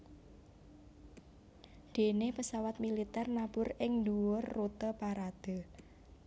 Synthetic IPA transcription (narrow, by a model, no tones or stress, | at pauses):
d̪̥e̤nepəsawat̪̚milit̪ɛrnab̥ʊrɪŋd̪uwʊrːut̪əpaɾad̪̥ə̤